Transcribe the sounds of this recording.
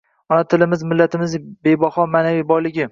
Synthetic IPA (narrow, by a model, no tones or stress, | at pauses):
ɒnat̪ʰɪlɪmɪzmɪlːat̪ʰɪmɪzbe̞jbɒhɒmaːnavijbɒjlɪɡʲɪ